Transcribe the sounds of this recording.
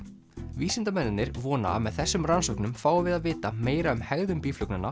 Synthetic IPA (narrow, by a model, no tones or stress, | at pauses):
viːsɪnt̪amɛnːɪnnɪɾvɔːna̰a̰mɛðθɛsːʏmransɔwknʏmfaːwvɪðaðvɪːt̪ameːjɾaʏmhɛɣðʏmpiːflœknana